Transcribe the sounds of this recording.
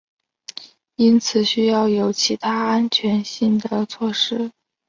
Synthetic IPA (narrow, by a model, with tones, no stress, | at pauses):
i˥nt͡sʰɹ̩˨˩ɕy˥jɑ˥˩ʊjo˧˥ʊt͡ɕʰi˧˥t̪ʰa˥a˥nt͡ɕʰɥɛ˧˥nɕi˥˩ŋd̪ə˩t͡sʰwɔ˥˩ʂɻ̩˥